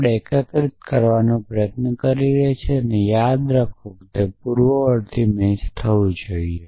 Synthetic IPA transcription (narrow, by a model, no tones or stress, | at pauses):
ɽekək̪ɾit̪kəɾʋanõpɾəjət̪nəkəɾiɾəɦt͡ʃʰeənejad̪ɾəkʰokt̪epuɾʋəəɾt̪ʰimẽt͡ʃt̪ʰəʋũd͡ʒoie